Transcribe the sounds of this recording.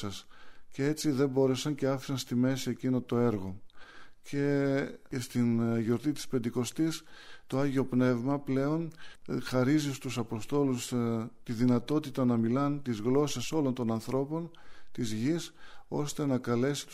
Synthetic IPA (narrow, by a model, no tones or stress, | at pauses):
ɐscee̞t͡siðe̞mbo̞ɾesɐnce̞ɐfi̥ksɐnst̪ime̞sie̞cino̞t̪o̞e̞ɾɣo̞ce̞ | st̪inʝo̞ɾt̪it̪i̥spe̞nd̪iko̞st̪ist̪oɐʝio̞pne̞vmɐple̞o̞nxɐɾizist̪usɐpo̞st̪o̞lust̪iðinɐt̪o̞t̪it̪ɐnɐmilɐnt̪izɣlo̞sɐso̞lo̞nt̪o̞nɐnθɾo̞po̞nt̪izʝiso̞st̪e̞nɐkɐle̞si̥t̪u̥